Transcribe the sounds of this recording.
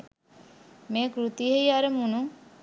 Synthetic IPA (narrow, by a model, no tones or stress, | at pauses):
meːkɾut̪iɦejaɾəmunu